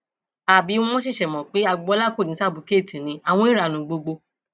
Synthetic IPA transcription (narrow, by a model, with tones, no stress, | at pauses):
a˨bi˨˦w̃ɔ̃˧m̃ɔ̃˦ʃ̬i˦˨ʃɛ˨mɔ̃˨k͡pe˨˦a˧˨ɡ͡bɔ˧˦la˦ko˦˨nĩ˨˦sa˦˨bu˨˦ke˦˨tĩ˨nĩ˨˧˦a˨w̃ɔ̃˧i˦ɾa˨nũ˨˦ɡ͡bo˧ɡ͡bo˧